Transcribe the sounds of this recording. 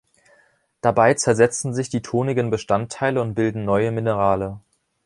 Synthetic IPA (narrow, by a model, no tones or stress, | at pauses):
d̥abaɪt͡sɛɐzɛt͡sn̩zɪçd̥iːtʰoːnɪɡənbəʃtantʰːaɪləʊnt̚b̥ɪldn̩nɔʏəmɪnəʁ̞aːlə